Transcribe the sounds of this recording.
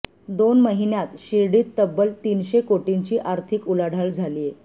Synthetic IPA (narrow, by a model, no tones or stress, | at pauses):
d̪onməɦinjat̪ɕiɾɽiːt̪ːəbːəlt̪iːnɕekoʈiɲt͡ɕiːʔaɾt̪ʰikulaɽ̤ʱaɭd͡zʱalie